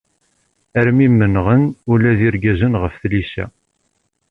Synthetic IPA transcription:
æɾmimːənʁənulæðiɾɡæzənʁəfθlisæ̰

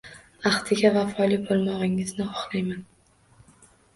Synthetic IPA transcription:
aχt̪ʰɪɡʲavafɒlibolˠmɒʁɪŋɪznɪχɒχlˠajman

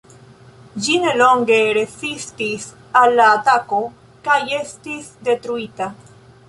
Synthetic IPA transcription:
d͡ʒine̞lo̞ŋɡe̞ɾe̞sistis | alːaːtako̞ | kaje̞stisde̞tɾuita

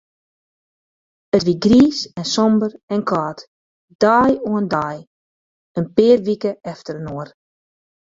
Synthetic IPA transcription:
ətʋiɡriːsɛnsɔmbərɛnkʰaːt | d̥aːjoəndaj | ənpɪːrʋikəɛftəɾənoːər

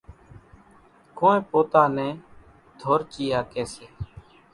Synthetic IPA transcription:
koːẽːpoːt̪aːnɛ̃ː | d̪ʱoːɾt͡ʃiːaːkeːseː

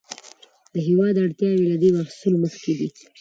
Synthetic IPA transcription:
d̪əɦewɑd̪aɽt̪jɑwelad̪emahsəloməxked̪i

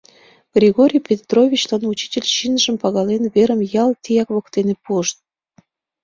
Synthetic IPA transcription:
ɡ̥rʲiɣoɾʲijpʲet̪rovʲit͡ɕlɑnut͡ɕi̥tʲelʲɕinʒə̆mpɑɣɑlenβeɾəmjɑlˠt̪ʲijɑkβɤ̆kt̪enepuəʃt̪̚

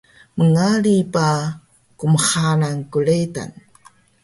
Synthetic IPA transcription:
məŋaɭipa | kuməχanaŋkuɭeta̰n

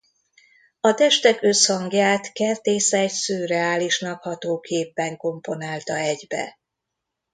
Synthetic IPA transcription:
ɒt̪ɛʃt̪ɛkø̞shɒŋɡjaːt̪kɛrt̪eːsɛːcsøːrɛaːliʃnɒkhɒt̪oːkʰeːpːɛŋko̞mpo̞naːlt̪ɒɛɟbɛ̰

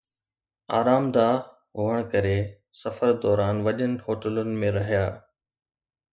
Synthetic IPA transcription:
a̰ːɾaːmd̪a | ɦʊɦəɽ̃kɐɾe | sɐfəɾd̪ɔːɾaːnʋɐʄənɪ̆hoːʈələnɪ̆mẽɾɐɦijaː

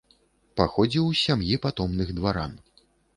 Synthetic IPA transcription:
paxɔd͡zʲiwsʲamjipat̪ɔmnɨɣd̪vaɾa̰n

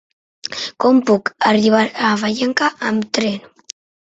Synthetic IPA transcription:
kɔmpukariβ̞aɾaβajeŋkaʔamt̪ɾen

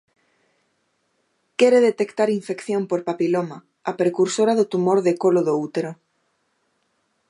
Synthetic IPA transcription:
kɛɾeðet̪ekt̪aɾiɱfekθjompoɾpapiloma | apɾekuɾsoɾaðot̪umoɾðekoloðout̪eɾo

